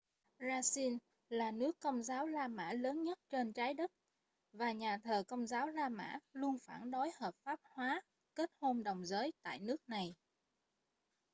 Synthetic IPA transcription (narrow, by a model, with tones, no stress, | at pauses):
zaː˧si˧n | laː˨˩nɨ˦˥əkːə˧wŋ͡mzaː˨˦wlaː˧ma̰ː˧˥ləː˨˦nɲə˦˥t̚t͡ɕe˧nt͡ɕaː˨˦jɗə˦˥t̚ | vaː˨˩ɲaː˨˩t̪ʰəː˨˩kə˧wŋ͡mzaː˨˦wlaː˧ma̰ː˧˥lu˧ənfaː˧˩nɗo˨˦jhəː˨˩p̚faː˦˥p̚hwaː˨˦ | ke˦˥t̚ho˧mɗə˨˩wŋ͡mzəː˨˦jt̪a̰ː˧˨jnɨ˦˥ək̚na˨˩j